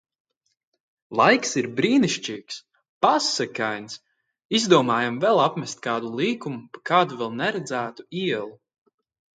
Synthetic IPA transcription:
lˠajksiɾbɾiːniʃt͡ʃiːks | pasːɛkajns | izd̪uɔmaːjamvɛlˠapmɛst̪̚ʲkaːd̪ulˠiːkumupḁkaːd̪uvɛlˠnɛɾɛd̪zæːt̪u̥iɛlˠu

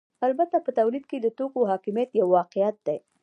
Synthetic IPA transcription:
albat̪apət̪awlid̪̚ked̪ət̪okoɦɑkɪmjat̪jawːɑqɪjat̪̚d̪e

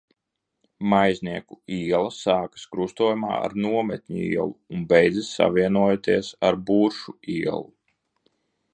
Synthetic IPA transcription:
majznʲiɛkuiɛlˠɐsaːkɨ̥skɾust̪uɔjuma̰ːa̰ɾnuɔmɛt̪ʲɲṵḭɛlˠuːnbɛjd̪zisa̰viɛnuɔjat̪iɛsaɾbuːɾʃuiɛ̰lˠu

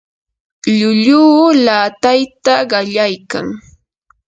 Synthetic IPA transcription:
ʎʊʎuːlaːt̪ajt̪aɢɑʎajka̰ŋ

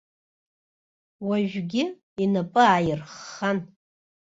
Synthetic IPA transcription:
waʒᶣɡʲɪ | inapʼɨaːjɪrχan

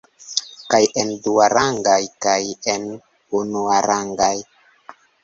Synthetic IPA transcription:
kajenduaɾʔaŋɡajkajen | unuaɾaŋɡaj

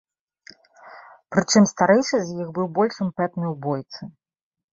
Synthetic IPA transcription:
pɾɨt͡ʂɨmst̪aɾɛjʂɨzʲjixbɨwbɔlʲʂɨmpɛt̪nɨjwbɔjt̪sɨ

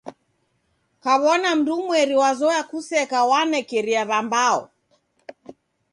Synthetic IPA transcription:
kaβɔnam̩dumwɛɾiwazɔakusɛkawanɛkɛɾiaβambaɔ̰

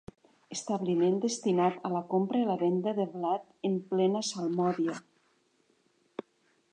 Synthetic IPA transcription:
est̪aβlimend̪est̪inat̪alakompɾelaβend̪aðeβlat̪emplɛnasalˠmɔβja

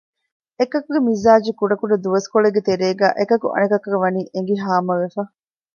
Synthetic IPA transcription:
ekɐkuɡemizaːd͡ʒikuɖɐkuɖɐd̪uʋɐskoɭeɡːet̪eɾeːɡæ̰ːʔekɐkuʔɐ̰nɐkɐkɐɡɐʋɐniːʔeŋ̆ɡiɦaːmɐʋefɐ

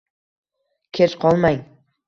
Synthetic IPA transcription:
kʲʰeʃqʰɒlˠmaj

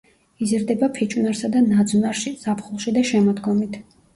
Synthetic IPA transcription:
izɾd̪ɛbapʰɛt͡ʃʼunaɾsad̪anad̪zunaɾʃisapʰχulˠʃid̪aʃɛmɔd̪ɡɔmit̪ʰ

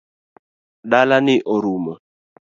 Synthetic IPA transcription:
ɗalaniʔɔɾumɔ

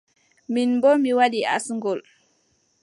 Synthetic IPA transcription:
minbɔmiwaɗia̰sŋɡɔl

